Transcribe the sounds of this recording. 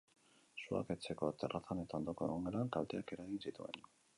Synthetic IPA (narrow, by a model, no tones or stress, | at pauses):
sua̰ke̞t͡se̞ko̞t̪erʔaθane̞t̪aond̪oko̞eɣ̞oŋɡoɾaŋkalt̪eake̞ɾaɣinsit̪ue̞̰n